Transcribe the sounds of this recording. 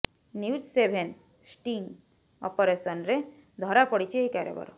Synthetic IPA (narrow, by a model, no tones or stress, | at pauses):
niud͡ʒsebʱen | sʈiŋɡ | ɔ̰pɔɾesɔnɾe | d̪ʱɔɾapɔɽit͡ʃʰiejkaɾjḛbɔ̰ɾɔ̰